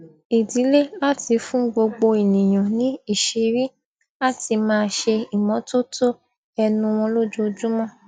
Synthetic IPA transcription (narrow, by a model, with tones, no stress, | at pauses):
i˨di˨˦le˦la˦ti˧fũ˦ɡ͡bo˧ɡ͡bo˧i˨nĩ˨j̃ɔ̃˨nĩ˨˦i˦˨ʃe˧ɾi˦ | a˦˨ti˧mãː˦˧ʃe˧i˨mɔ̃˨˦to˦to˦ | ɛ˧nũ˧w̃ɔ̃˧lo˦d͡ʒu˦˧d͡ʒu˦mɔ̃˦˨